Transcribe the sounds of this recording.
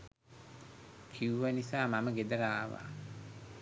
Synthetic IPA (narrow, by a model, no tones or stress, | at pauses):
kʰiuʋanisaːmaməɡed̪əɾaːʋa̰